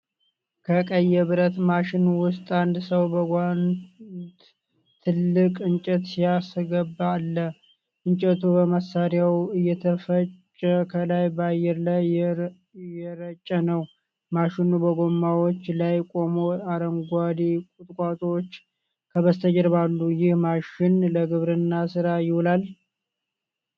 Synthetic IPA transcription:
kʰəkʼəjːɛβɨɾət̪maʃɪnwʊst̪ʼand̪səwbəɡʷant̪ | t̪ʰɨlːɨkʼɨnt͡ʃʼət̪sijasɡəbːalːə | ʔɨnt͡ʃʼɛt̪ʰubəməsːaɾjawɨjːɛt̪ʰəfət͡ʃʼːəkʰəlajbəajːɛɾlaj | jɛɾət͡ʃʼːənəw | maʃɪnubəɡo̞mːawot͡ʃːlajkʼo̞moaɾəŋɡʷad̪ikʼut̪ʼkʼat̪ʼot͡ʃː | kʰəβəst̪ʰəd͡ʒəɾβalːujɪhmaʃɪnləɡɨβɾɨnːasɨɾajɪhulal

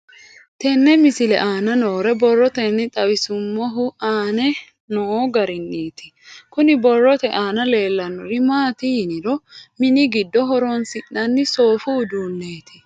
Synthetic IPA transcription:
t̪ɛnːɛmɪsɪlɛ̰ʔaːnɐnoːɾɛbɔrːɔt̪ɛnːɪt̪ʼɐwɪsʊmːɔɦʊaːnɛ | nɔɡɐɾɪnːiːt̪ɪ̥ | kʊnɪbɔrːɔt̪ɛʔaːnɐle̞ːlːɐnːɔɾɪmaːt̪ɪjɪnɪɾɔmɪnɪɡɪd̪ːɔɦɔɾonsɪʔnɐnːɪso̞ːfʊːd̪uːnːeːt̪ɪ̥

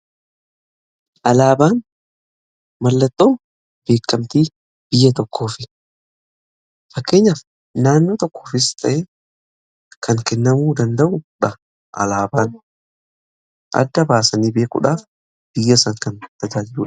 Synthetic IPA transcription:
ʔɐlaːbaːn | mɐlːɐt̪ʼːoːn | b̥e̞ːkʼːɐmt̪iː | b̥ɪjːɐt̪ɔkːo̞ːfɪ | fɐkːe̞ːɲːɐf | naːnːo̞ːt̪ɔkʰːoːfɪst̪ʰʼɐʔeː | kʰɐŋkɛnːɐmuːd̪ɐnd̪ɐʔʊᶑɐ | ʔɐ̰laːbaːn | ʔɐ̰d̪ːɐbaːsɐniːbe̞ːkʼʊ̰ᶑaːf | b̥ɪjːɐsɐŋkɐnt̪ɐd͡ʒaːd͡ʒɪluːᶑ

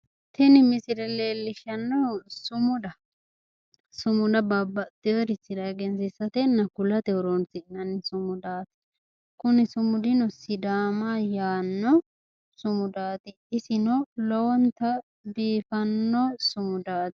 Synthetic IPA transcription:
t̪ɛnɪmɪsɪɾɛleːlːɪʃɐnːɔsʊmʊd̪ɐ | sʊmʊd̪ɐbɐbːɐd̪ɪɛɾɪsɪd̪ɐɡɛnsɪsɐt̪ɛnɐkʊlɐt̪ɛɔɾɔnsɪnɐnɪsʊmʊd̪aːt̪ɪ̥ | kʊnɪsʊmʊd̪ɪnɔsɪd̪aːmajaːnːɔ | sʊmʊd̪aːt̪ɪ | ɪsɪnɔlɔwɔnt̪ɐ | d̪iːfɐnːɔsʊmʊd̪aːt̪ɪ̥

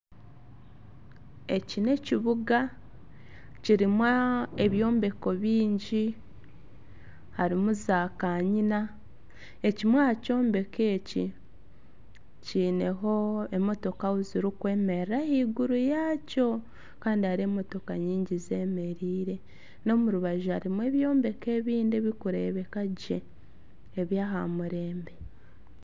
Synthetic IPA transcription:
e̞cine̞ciβuɡa | ciɾimwaeβjo̞ːmbe̞ko̞βiːɲɟi | haɾimuzaːkaɲina | e̞cimwaco̞ːmbe̞ke̞ːci | ciːne̞ɦo̞e̞mo̞to̞kauziɾukwe̞ːme̞ɾahiːɡuɾujaːco̞ | kaːndiaɾe̞mo̞to̞kaɲiːɲɟize̞ːme̞ɾiːɾe̞ | no̞muɾuβaʒuaɾimwe̞ːβjo̞ːmbe̞ke̞ːβiːndeβikuɾe̞βe̞kaɟe̞ː | βjaːɦa̰muɾe̞ːmbe̞

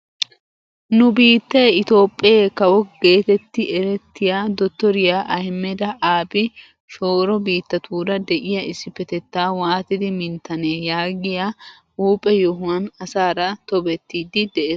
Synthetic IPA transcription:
nʊbiːt̪ːeːɪt̪o̞ːpʼːɪjeːkɐwɔɡe̞ːt̪ɛt̪ːɪʔɛɾɛt̪ːɪjaːd̪ɔt̪ːɔɾɪjaʔɐhmːɛd̪ɐʔaːbɪ | ʃo̞ːɾɔbiːt̪ːɐt̪ʰuːd̪ɐd̪ɛʔɪjɐɪsːɪpːɛt̪ɛt̪ːaːwaːt̪ɪd̪ɪmɪnt̪ːɐneːjaːɡɪja | uːpʼɛjɔɦʊɐnɐsaːɾɐt̪ɔbɛt̪ːiːd̪ɪd̪ɛʔeːs

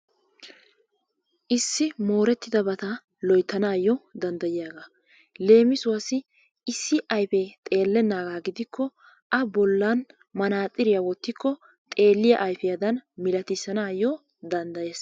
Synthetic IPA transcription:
ʔɪsːɪmo̞ːɾɛt̪ːɪd̪ɐbɐt̪ɐ | lɔjt̪ːɐnaːjɔd̪ɐnd̪ɐjɪjaːɡaː | le̞ːmɪsʊwɐsɪ | ɪsːɪʔɐjfɛt̪ʼe̞ːlːɛnːaːɡaːɡɪd̪ɪkʰːɔ | ʔɐbɔlːɐn | mɐnaːt̪ʼːɪɾɪjɐwɔt̪ːɪkːɔ | t̪ʼe̞ːlːɪjɐ̰ʔɐjfɛjɐd̪ɐnmɪlɐt̪ɪsːɐnaːjːɔ | d̪ɐnd̪ɐje̞ːs

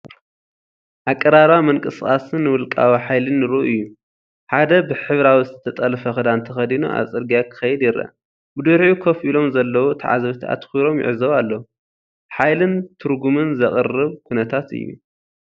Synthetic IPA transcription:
ʔakʼːɐɾaɾamɨŋkʼɨskʼasɨnːɨwʊlkʼa̰wiħajlɨnːɨɾuʔɨjːu | ħad̪ɐbɨħɨβɾawizɨɨt̪ʰɐt̪ʼɐlfɐxɨd̪ant̪ʰɐxɐd̪inṵʔa̰t͡sʼɨɾɡijakʰɨ̥xɐjɪd̪jɪɾɐ̰ | bɨd̪ɨɾħukʰɐfilo̞mzɐlːɐwot̪ʰɐʕa̰zɐβt̪ʰa̰t̪xuɾo̞mjɪ̰ʕzɐwalːɐ | ħajlɨnt̪ʰɨɾɡumɨnzɐχʼɨrɨβkʰunɐt̪ʰat̪ɨ̰jːṵ

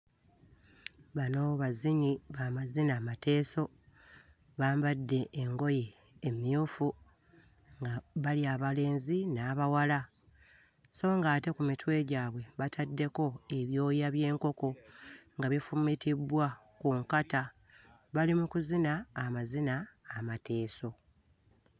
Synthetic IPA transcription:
βanoːβaziɲiβamazinamate̞ːso̞ | βaːmbadːe̞ːŋɡo̞jeː | mjufu | ŋɡaβaliaβale̞ːnzinaːβawala | so̞ːŋɡaːte̞kumitwe̞ːɟaːβwe̞βatʰadːe̞ko̞e̞βjo̞ːjaβje̞ːŋko̞ko̞ŋɡaβifumitʰibwa | kuŋkata | βalimukuzinaːmazinaːmatʰe̞ːso̞

